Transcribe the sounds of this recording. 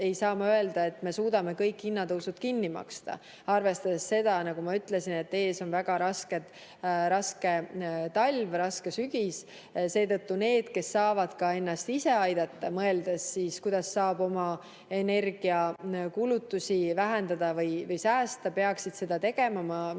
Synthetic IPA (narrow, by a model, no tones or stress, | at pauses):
e̞jsɑːmɑøe̞ld̪̥ɑe̞t̪ːˑme̞suːd̪ɑme̞kɤjkˑːinːɑt̪ɤwsut̪̚kinːimɑ̰kst̪ɑ̰ | ɑrve̞st̪ɑd̪esːe̞d̪̥ɑnɑɡ̥umɑyt̪ˑle̞sine̞t̪ːe̞ːso̞nvæɡ̥ɑɾɑske̞ | ɾɑske̞t̪ɑlʲvrɑske̞syɡ̥is | se̞ːt̪ɤt̪ːune̞ːd̪̥ke̞sːɑːvɑd̪̥kɑe̞nːɑst̪ise̞ɑjd̪̥ɑt̪ːɑmɤe̞ld̪̥esːiːskujd̪̥ɑsːɑːbo̞mɑ | e̞ne̞rɡ̥iɑkulut̪ːusʲivæɦe̞nd̪ɑd̪ɑvɤjvɤjsæːst̪ɑpe̞ɑksid̪̥se̞d̪ɑt̪e̞ɡ̥e̞mɑmɑ